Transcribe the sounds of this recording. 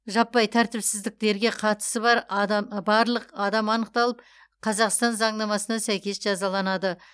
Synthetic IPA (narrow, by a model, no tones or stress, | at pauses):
ʒɑpːɑjt̪ʰæɾt̪ɪpsɪzd̪ɪk̚t̪e̞ɾɡʲe̞qʰɑt̪ə̥səbɑɾd̪bɑɾlˠəqɑd̪ɑmɑnəq̚t̪ɑlˠəp | qʰɑzɑqst̪ɑnzɑɴnɑmɑsənɑsæjkʲe̞sʒɑzɑlˠɑnɑd̪ə